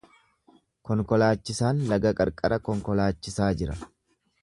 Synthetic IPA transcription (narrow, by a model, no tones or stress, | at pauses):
kɔŋkɔlaːt͡ʃːɪsaːnlɐɡɐkʼɐ̰ɾkʼɐɾɐkɔŋkɔlaːt͡ʃːɪsaːd͡ʒɪɾɐ